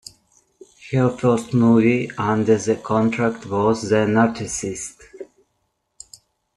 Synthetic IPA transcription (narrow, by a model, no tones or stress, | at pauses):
həfɛstmuviʌ̃ndə˞ðəkʰɔ̃ntʰɹæktwɔzðənatɪsɪst